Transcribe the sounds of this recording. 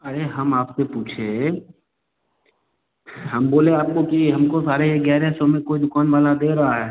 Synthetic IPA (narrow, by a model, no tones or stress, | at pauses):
ɐɾeɦɐmaːpsepuːt͡ʃʰe | ɦɐmboːleaːp̚kokiɦɐmkosaːɾeeɡɛːɾesomẽkoːid̪ʊkaːnʋaːlad̪eːɾɐɦaɦɛː